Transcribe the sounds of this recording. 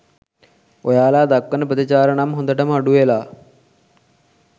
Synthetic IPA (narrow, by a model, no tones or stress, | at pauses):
ojaːlaːd̪akːənəpət̪it͡ʃaːɾəɳamɦond̪əʈəməaɖuʋelaː